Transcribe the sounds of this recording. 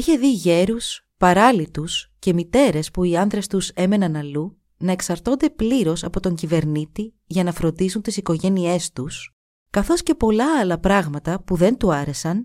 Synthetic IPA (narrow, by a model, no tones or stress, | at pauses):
içe̞ðiʝe̞ɾus | pɐɾɐlit̪usce̞mit̪e̞ɾe̞spuiɐnðɾest̪use̞me̞nɐnɐlu | nɐe̞ksɐɾt̪o̞nd̪e̞pliɾo̞sɐpo̞t̪o̞ɲcive̞ɾnit̪i | ʝɐnɐfɾo̞nd̪isunt̪isiko̞ʝe̞nie̞st̪us | kɐθo̞sce̞po̞lɐːlɐpɾɐɣmɐt̪ɐpuðe̞nt̪uɐɾe̞sɐn